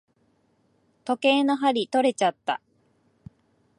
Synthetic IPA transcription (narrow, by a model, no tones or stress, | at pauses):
t̪o̞ke̞ːno̞ɦaɾʲit̪o̞ɾe̞t͡ɕat̪ːa̰